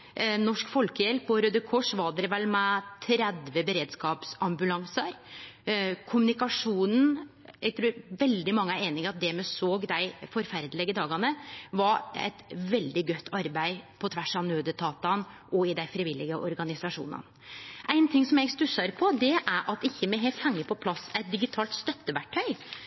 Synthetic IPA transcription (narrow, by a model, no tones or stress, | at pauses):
nɔʂkfɔlkəjɛlpɔɾød̪əkʰɔʂʋɑɖ̪ɛɾʋɛlmɛt̪ʰɾɛd̪ʋəbəɾeːd̪skɑːpsɑmbʉlɑŋsɑɾ | kʰʊmʉnɪkɑʂuːnn̩ | ɛɡ̚t̪ʰɾʉːɾʋɛld̪ɪmɑŋːəæɾeːnɪŋɑt̪̚d̪ɛmɛsoːɡd̪æɪfɔɾfæɾd̪əlɪɡəd̪ɑːɡɑnəʋɑɾɛ̰ɪt̪ʋɛld̪ɪɡœt̪ːɑɾbæɪpʰɔt̪ʰʋæʂɑnøːd̪ət̪ʰɑːt̪ɑnʔɔɪd̪æɪfɾɪʋɪlːɪɡəʔɔ̰ɾɡɑnɪsɑʂṵːnɑ̰n | ʔæɪnt̪ʰɪŋsɔmjɛɡst̪ʉsɑɾpʰɔd̪ɛʔæɾʔɑt̪ɪçːəmɛɦeːlt̪hɛŋːəpʰɔpʰlɑsæɪt̪̚d̪ɪɡɪt̪ʰɑːlt̪st̪œt̪ːəʋæʈʰːœʏ